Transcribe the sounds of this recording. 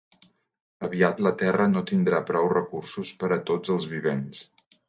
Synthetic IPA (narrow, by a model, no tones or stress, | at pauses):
əβiat̪lət̪ɛrənot̪ind̪ɾapɾɔwrəkursuspəɾət̪od͡zəlˠzβiβens